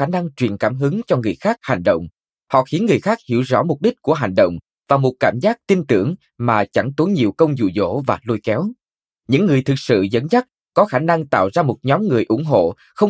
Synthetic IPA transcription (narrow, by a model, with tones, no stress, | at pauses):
aː˧˩na˧ŋt͡ɕwi˨˩ənkaː˧˩mɦɨ˨˦ŋt͡ɕɔ˧ŋɨ˨˩əjxaː˦˥k̚ha˨˩jŋ̟ɗə̰˧˨wŋ͡m | hɔ̰˧˨xi˨˦ənŋɨ˨˩əjxaː˦˥k̚hḭ˧˩əwzɔ̰˧˥mʊ˨˩k͡p̚ɗï˦˥k̟̚ku˧˩əɦa˨˩jŋ̟ɗə̰˧˨wŋ͡m | vaː˨˩mo˨˩t̚kaː˧˩mzaː˦˥k̚t̪i˧nt̪ɨ˧˩əŋ | maː˨˩t͡ɕa˧˩ŋt̪o˨˦jɲi˨˩wkə˧wŋ͡mzṵ˧˩zo̰˧˥vaː˨˩lo˧jkɛ˨˦w | ɲɨ̰˧˥ŋːɨ˨˩əjt̪ʰɨ˨˩k̚sɨ̰˧˨zə̰˧˥nza˦˥t̚ | kɔ˨˦xaː˧˩na˧ŋt̪a̰ː˧˨wzaː˧mo˨˩t̚ɲɔ˨˦mŋɨ˨˩əjʔʊ̰˧˩ŋ͡mɦo̰˧˨ | xə˧wŋ͡m